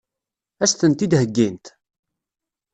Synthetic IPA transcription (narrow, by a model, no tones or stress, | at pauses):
æst̪ənt̪id̪həɡːint̪